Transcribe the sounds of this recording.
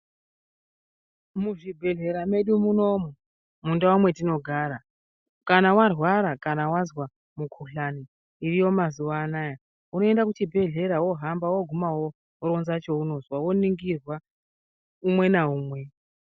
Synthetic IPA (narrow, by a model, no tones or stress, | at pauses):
muʐibʱe̞ɮe̞ɾame̞ɗumuno̞mu | mundawumwe̞tino̞ɡʱaːɾa | kanawarwaɾakanawazwa | mukʰuɬani | irijo̞mazuʋaːnaːja | uno̞e̞ndakut͡ʃibʱe̞ɮe̞ɾawo̞ɦambawo̞ɡʱumawo | oɾo̞nzat͡ʃo̞uno̞zwawo̞niŋɡirwa | umwe̞naɦuːmwe̞